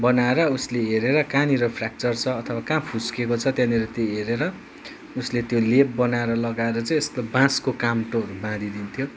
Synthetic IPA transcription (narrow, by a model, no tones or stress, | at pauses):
bʌnaeɾʌusleɦeɾeɾʌkaniɾʌpʰrak̚t͡sʌrt͡sʰʌːt̪ʰʌwakãpʰuskekot͡sʰʌt̪jãniɾet̪joɦeɾeɾʌ | uslet̪jolepbʌnaeɾʌlʌɡaeɾʌt͡sʌĩest̪obãskokamʈoʌɾubãd̪ʱid̪int̪ʰjo